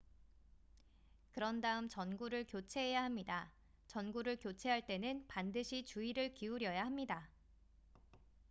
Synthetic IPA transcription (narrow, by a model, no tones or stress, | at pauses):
kɯɾʌndaɯmt͡ɕʌnɡuɾɯɭkjot͡ɕʰe̞ɦejaɦamɲida | t͡ɕʌnɡuɾɯɭkjot͡ɕʰe̞ɦaɭt͈e̞nɯnpandɯɕʰit͡ɕuiɾɯɭkiuɾjʌjaɦamɲida